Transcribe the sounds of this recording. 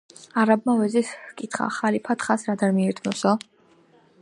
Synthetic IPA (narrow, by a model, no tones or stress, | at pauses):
aɾab̚mawɛziskʼit̪ʰχa̰χalipʰat̪ʰχasɾad̪aɾmiɛɾt̪ʰmɔsɔ